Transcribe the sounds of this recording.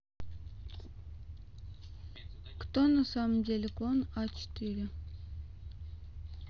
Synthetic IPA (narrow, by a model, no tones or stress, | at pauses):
kt̪ɔnəsɑmjɛlkɔnɑt͡ʃʰt̪iɾə